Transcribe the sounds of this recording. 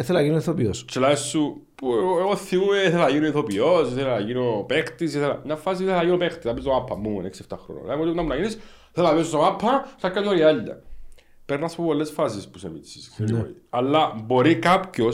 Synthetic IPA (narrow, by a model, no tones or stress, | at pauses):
θelɐʝinoiθopiost͡ʃelɐsupuoθːiumeθelɐʝinoiθopiosiθelnɐʝinopext̪isiθelɐɲɐfːɐs̬iθeθɐʝinopext̪isɐpist̪omapʰːɐmmumo̰neksieft̪ɐxɾo̰no̰lemot̪ipunɐmunɐʝinis | θelɐpist̪omapʰːɐθɐkːanoɾiaʎːɐ̰ | peɾnːɐspopolːesfɐsispusḛmḭsi̥ssḛiɐlːɐbo̞ɾikapcos